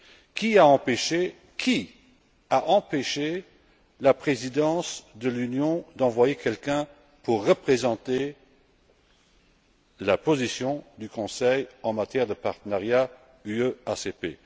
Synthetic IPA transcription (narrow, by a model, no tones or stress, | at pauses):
kʰiaɑ̃peʃe | kʰi | aʔɑ̃peʃe | lapχezid̪ɑ̃sd̪əlynjɔ̃d̪ɑ̃vwajekʰɛlkɛ̃ | puʁːəpχezɑ̃t̪e | lapozisjɔ̃d̪ykɔ̃sɛjɑ̃mat̪jɛːʁd̪əpaʁt̪ənaʁja | yøasepḛ